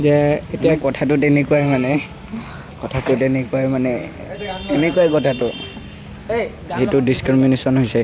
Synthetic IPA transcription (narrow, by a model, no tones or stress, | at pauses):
zɛetiakɔtʰatʊtenekuajmanɛ | kɔtʰatʊtenekuajmanɛ̰ | enekuajkɔtʰatʊ | etʊdiskɹminesɔnɦojsɛ